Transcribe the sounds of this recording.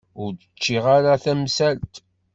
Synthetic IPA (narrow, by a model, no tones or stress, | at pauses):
ʊɾd̪ət͡ʃːiʁaɾaθæmsælt̪